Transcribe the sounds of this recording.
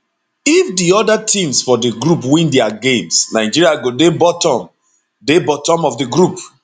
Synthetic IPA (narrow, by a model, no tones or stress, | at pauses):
ifdiɔdatʰĩmsfɔdiɡɹupwĩndɛaɡẽmsnaɪd͡ʒiɹiaɡodebɔtɔ̃m | debɔtɔ̃mɔfdiɡɹup